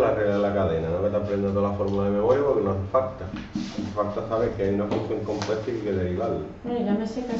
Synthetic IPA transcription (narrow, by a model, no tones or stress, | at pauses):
lareɣlaðelakaðenanomet̪apɾend̪ot̪oalafoɾmulaðemeβojapoɾkenosefakt̪aosefakt̪asaβeŋkeajunafunθjoŋko̞mpwet̪akekeðeɾiβalːemeɾameseka